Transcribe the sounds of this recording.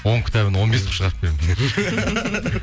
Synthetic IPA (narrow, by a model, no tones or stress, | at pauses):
wo̞ŋkʲʰɪ̥t̪æbɪnwo̞nbesʰpʃəʁɑɾp̚kʰʲeɾemzɡ̪ʲe